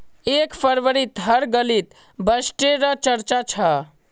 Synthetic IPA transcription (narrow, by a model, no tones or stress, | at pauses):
ekpʰəɾʋəɾit̪ɦəɾɡəlit̪ | bəsʈeɾət͡ʃəɾt͡ʃat͡ʃʰə